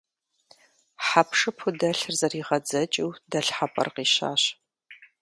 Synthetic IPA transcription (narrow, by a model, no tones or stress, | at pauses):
ħapʂɨpʰʊdɐɬɨrzɐriːʁɐd͡zɐt͡ʃʼiwdɐɬħapʼɐ̰rqiːɕa̰ːɕ